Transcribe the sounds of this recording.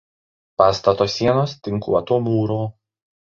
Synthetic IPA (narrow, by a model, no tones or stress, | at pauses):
pɑːst̪ɐt̪oːsʲiɛnoːst̪ʲɪŋˑkṵɐt̪oːmuːɾoː